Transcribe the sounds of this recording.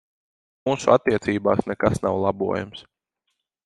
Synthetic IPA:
muːsuat̪ːiɛt̪siːba̰ːsnɛkasnawlˠabṵɔja̰ms

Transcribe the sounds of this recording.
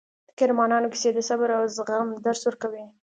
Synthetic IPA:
d̪̥ə̥kɪɾmɑnɑnoki̥sed̪əsabəɾawzɣamd̪aɾswəɾkawi

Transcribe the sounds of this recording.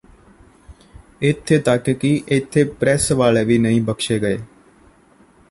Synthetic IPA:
ɪt̪ʰːeːt̪əkkiʔɪt̪ʰːeːpɾɛːsʋaːleːʋiːnəĩːbəkʃeːɡəeː

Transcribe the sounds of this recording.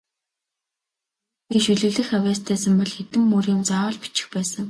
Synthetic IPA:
ɡeʃɵɮɘ̆ɣɮɘ̆xæwʲæːst̪ʰæːsə̆mpɔɮxet̪ɘ̆mːurĭːmt͡saɔːɮpi̥t͡ɕɪ̥̆xpæːsə̆ŋ

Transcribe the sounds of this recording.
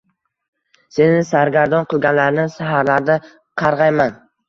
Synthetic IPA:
se̞nɪsaɾɡʲaɾd̪ɒnqʰɨlˠɡʲanlaɾnɪsaɦaɾlaɾd̪a | qʰɑɾʁɑjman

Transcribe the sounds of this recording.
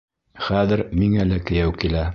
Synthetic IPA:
χæðɘɾmiŋælɘkɘ̆jæwkilæ

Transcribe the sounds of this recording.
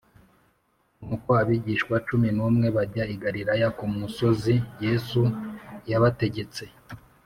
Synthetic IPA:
nukoaβiɟiʃkwat͡ʃuminuːmŋe̞βaɾɟaiɡaɾiɾajakumuso̞zijesujaβate̞ɟe̞t͡se̞

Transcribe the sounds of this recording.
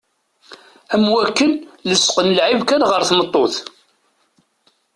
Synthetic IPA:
æmwækːənləsːqənəlʕivkænʁəɾθmət̪ˤːoθ

